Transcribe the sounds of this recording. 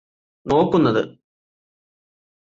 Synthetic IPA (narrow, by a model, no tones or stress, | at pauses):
no̞ːkːunːɐðɨ̰